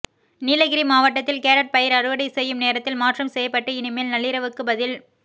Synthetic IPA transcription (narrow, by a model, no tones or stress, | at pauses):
niːlɐɣɪɾimaːʋɐʈːɐt̪ːɪlkeːɾɐʈ̚pɐjɪɾɐɾɯʋɐɽɐɪsɛjːɯmneːɾɐt̪ːɪlmaːʈrɐmsɛjːɐpːɐʈːɯɪnɪmeːlnɐɭːɪɾɐʋɯkːɯbɐðɪl